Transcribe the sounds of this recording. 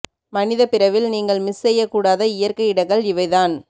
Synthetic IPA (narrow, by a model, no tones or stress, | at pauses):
mɐnɪðɐpɪɾɐʋɪlniːŋɡɐɭmɪsɛjːɐkːuːɽaːðɐɪjɐɾkɐɪɪɽɐɣɡɐɭɪʋɐɪðaːn